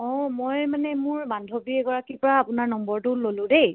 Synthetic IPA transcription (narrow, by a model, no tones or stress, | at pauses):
ɔ̃mojmanɛmʊɹbandʱobiɛɡɔɹakipɔɹaːpʊnaɹnɔmbɔɹtʊlolʊ̃dej